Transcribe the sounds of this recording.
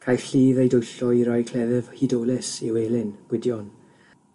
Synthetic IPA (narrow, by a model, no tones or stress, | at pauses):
kʰajθɬiːvejdojɬɔiɾɔjkʰl̥ɛðɛvhidoːlɪsiweːlɪnɡ̥wɪdjɔn